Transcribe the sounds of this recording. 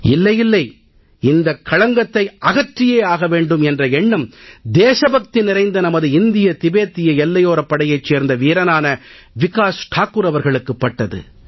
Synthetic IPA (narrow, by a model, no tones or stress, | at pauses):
ɪ̰lːɐjɪlːɐɪ | ɪnd̪ɐkːɐɻɐŋɡɐt̪ːɐɪʔɐɣɐʈrɪjeːaːɣɐʋeːɳɖɯmɛndrɐɛɳːɯmd̪eːʂɐbɐk̚t̪inɪɾɐɪnd̪ɐnɐmɐðɯɪnd̪ɪjɐt̪ɪbeːt̪ːɪjɐɛlːɐjoːɾɐpːɐɽɐjɐɪt͡ʃːeːɾnd̪ɐʋiːɾɐnaːnɐ | ʋɪkaːsʈʰaːkːɯɾɐʋɐɾɣɐɭɯkːɯpːɐʈːɐðɯ̰